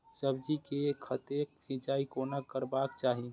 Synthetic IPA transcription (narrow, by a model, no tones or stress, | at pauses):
səbd͡ʒikekʰət̪eksĩd͡ʒaːikonakəɾbakt͡ʃaːɦi